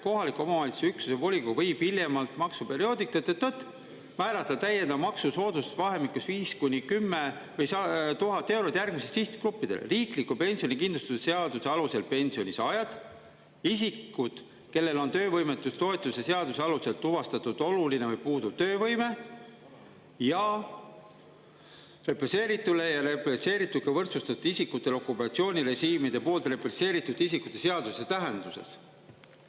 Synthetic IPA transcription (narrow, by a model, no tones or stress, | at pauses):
ko̞ɦɑlikːˑuo̞mɑvɑlit̪su̥syksusevo̞lʲikovɤjb̥ile̞mɑlt̪mɑksupe̞ɾio̞ːd̪ikːet̪ːet̪ːɤt̪ː | mæːɾɑt̪ːˑɑt̪æjːend̪ɑmɑksuso̞ːd̪uset̪vɑɦe̞mikusviːskunʲikymːe̞vɤjsɑt̪uɦɑt̪ːˑe̞wɾot̪jærɡ̥misest̪iht̪klupːˑid̪̥e̞̰l̰riːklikːˑupe̞nʲsio̞nʲikind̪lust̪usese̞ɑd̪̥useɑluse̞lpe̞nʲsio̞nʲisɑjɑd̪̥ | isikːˑud̪̥ | ke̞lːe̞lo̞nt̪ø̞ːvɤjmet̪ːˑust̪o̞e̞t̪ːˑuse̞se̞ɑd̪̥use̞ɑluse̞lt̪ːuvɑst̪ɑt̪ud̪̥o̞luline̞vɯjpuːd̪u̥t̪ø̞ːvɤjme̞ | jɑ | re̞pese̞ːɾit̪ːˑule̞jɑɾepese̞ːɾit̪ːˑud̪̥̚kɑvɤrt̪sust̪ɑt̪ːˑud̥̪isikːut̪ːˑe̞lokˑupːɑt̪sio̞ːnʲiɾe̞ʃiːmid̪e̞po̞ːlt̪re̞pese̞ːɾit̪ːˑud̪̥isikut̪ːˑe̞se̞ɑd̪use̞t̪æɦe̞nd̪use̞̰s